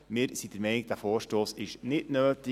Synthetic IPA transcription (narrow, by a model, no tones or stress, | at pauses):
mɪːɾsidəɾmɛɪniɡ̚d̥æfoːɾʃtoːsɪʃnɪtnøːtɪ